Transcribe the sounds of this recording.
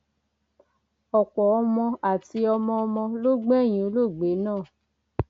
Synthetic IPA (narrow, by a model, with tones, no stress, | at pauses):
ɔ˨k͡pɔ˨ɔ˧mɔ̃˧a˨ti˧ɔ˧mɔ̃˧ɔ˧mɔ̃˧lo˦ɡ͡bɛ̃˦˨j̃ĩ˨˦˨o˦lo˦˨ɡ͡be˨˦nãː˦˨